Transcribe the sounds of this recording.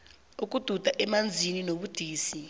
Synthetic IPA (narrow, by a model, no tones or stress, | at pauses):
uk̬ʼud̥ʱud̥ʱaʔɛmand͡zʱininoɓud̥ʱiːsi